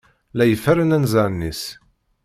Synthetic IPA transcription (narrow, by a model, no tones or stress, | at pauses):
læjəfæɾənænzæɾnːis